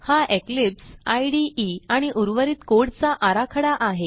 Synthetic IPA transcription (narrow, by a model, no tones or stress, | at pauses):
haʔeklipsajɽiiaɽ̃iʔuɾʋəɾiːt̪koɽt͡saʔaɾakʰəɽaʔaɦe